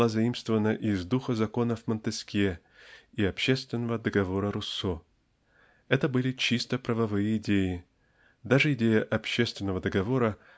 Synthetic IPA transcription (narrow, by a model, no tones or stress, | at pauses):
azɐimst̪vəvənəʔɪzd̪uxəzɐko̞nəvmənt̪ɨskʲe | iɐpɕːe̞st̪vʲɪnːəvəd̪əɡɐvo̞ɾəɾʊsːo | ɛt̪əbɨlʲɪt͡ɕist̪əpɾəvɐvɨjəɪdʲejɪ | d̪aʐɨɪdʲejəʔɐpɕːe̞st̪vʲɪnːəvəd̪əɡɐvo̞ɾə